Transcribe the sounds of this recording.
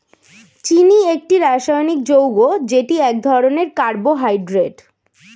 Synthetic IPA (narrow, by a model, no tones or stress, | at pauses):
t͡ɕiniek̚ʈiɾaʃajonik̚d͡ʑowɡod͡ʑeʈiɛk̚d̪ʱɔɾoneɾkaɾboɦajɖɾeʈ